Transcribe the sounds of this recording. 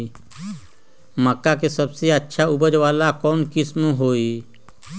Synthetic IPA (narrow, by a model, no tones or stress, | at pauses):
məkːakesəbseətːʃʰaʊbəd͡ʒʋaːlakɔːnkɪsmũɦoːi